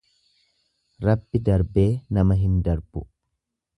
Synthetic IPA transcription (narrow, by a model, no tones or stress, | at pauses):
ɾɐbːɪd̪ɐɾbe̞ːnɐmɐɦɪnd̪ɐɾb̥ʊ